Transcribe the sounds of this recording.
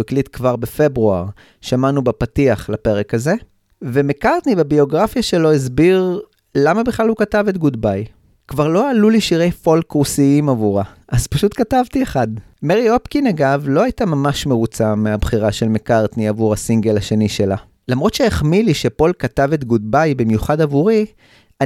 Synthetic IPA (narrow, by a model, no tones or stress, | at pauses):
iklit̪kvaʁbe̞fe̞bʁuaʁ | ʃamanubepatiaχlape̞ʁe̞kaze̞ | vemekaʁt̪nibebio̞ɡʁafjaʃe̞lo̞izbiʁ | lamabiχlalhukatavet̪̚ɡudbaj | kvaʁlo̞aluliʃiʁe̞jfo̞lkusiimavuʁaʔaz̥paʃutkatavtieχad | meʁio̞pkinaɡavlo̞ajtamamaʃmeʁut͡sameabχiʁaʃe̞lmekaʁt̪niavuʁhasiŋɡelaʃe̞niʃe̞la | lamʁo̞tʃeeχmiliʃe̞po̞lkatave̞t̪ɡud̚bajbimjuχadavuʁi | a